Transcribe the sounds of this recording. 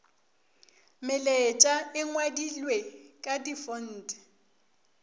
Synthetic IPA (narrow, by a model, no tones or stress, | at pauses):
mɪlet͡ʃʼaɪŋwadilwekʼadifʊn̩ːtʼɪ̥